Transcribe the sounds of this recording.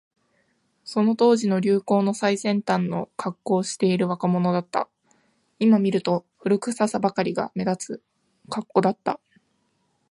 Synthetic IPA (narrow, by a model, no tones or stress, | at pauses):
so̞no̞t̪o̞ːʑino̞ɾʲɯːko̞ːno̞saisẽ̞nt̪ãnːo̞̰kʰakːo̞ːɕi̥t̪e̞iɾɯ̟βakamo̞no̞d̪at̪ːa̰ | imamʲiɾɯ̟t̪o̞ɸɯ̟ɾɯ̟kɯ̟sasabakaɾʲiɡa̰me̞d̪at͡sɨ | kakːo̞d̪at̪ːa̰